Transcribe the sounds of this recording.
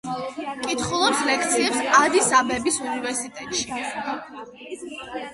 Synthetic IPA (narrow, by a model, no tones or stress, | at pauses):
kʼit̪χɔlˠɔɾslɛk̚ʰt̪sʰiɛpsad̪isabɛbisunivɛɾsit̪ʼɛt̪ʼʃi